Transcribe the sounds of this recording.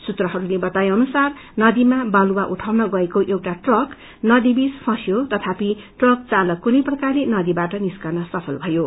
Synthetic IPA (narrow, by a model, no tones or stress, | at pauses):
sut̪rʌɦʌɾulebʌt̪ajʌnusar | nʌd̪imabʌluwaʔuʈʰawnʌɡʌekoʔewʈaʈrʌk | nʌd̪ibispʰʌ̃sjot̪ʌt̪ʰapiʈrʌk̚t͡salʌkːunʌjprʌkarlenʌd̪ibaʈʌniskarnʌsʌpʰʌlbʱʌjo